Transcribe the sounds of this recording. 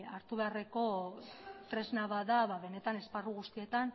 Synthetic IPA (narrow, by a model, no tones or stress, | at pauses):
aɾt̪uβe̞are̞ko̞ | t̪ɾe̞znaβaðaβaβe̞ne̞t̪ane̞sparuɣust̪ie̞t̪an